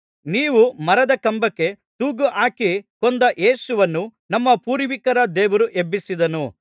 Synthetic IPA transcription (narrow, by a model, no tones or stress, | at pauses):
niːʋumɐɾɐd̪ɐkɐmbɐkːe̞ | t̪uːɡuʔaːkikond̪ɐʔe̞ːsuʋɐnːunɐmːɐpuːɾʋikɐɾɐd̪ɛːʋɐɾuʔe̞bːisid̪ɐnu